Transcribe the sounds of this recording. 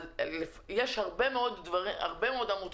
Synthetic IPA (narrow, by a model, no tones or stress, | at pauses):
lefjeʃhaʁbe̞meo̞d̪dvaʁia̰ʁbe̞meo̞damut̪